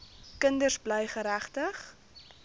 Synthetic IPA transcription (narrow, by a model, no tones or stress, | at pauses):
kəndərsbləjχəɾæχtəχ